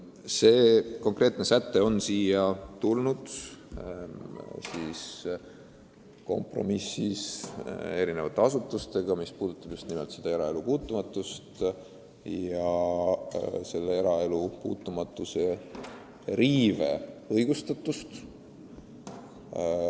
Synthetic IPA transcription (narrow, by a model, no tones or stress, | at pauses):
se̞ːko̞ŋkre̞ːt̪ne̞sæt̪ːe̞o̞nsiːjɑt̪ulnud̪̥ | siːs | ko̞̰mpro̞̰misːis | e̞ɾine̞vɑt̪ːeɑsut̪ːˑust̪e̞ɡ̥ɑmispuːd̪ut̪ːˑɑb̥just̪nimelt̪sed̪ɑeɾɑe̞lupuːt̪ːˑumɑt̪ːˑust̪ | jɑ | se̞lːeeɾɑe̞lupuːt̪ːˑumɑt̪ːˑuse | riːve̞ɤjɡ̥ust̪ɑt̪ːˑust̪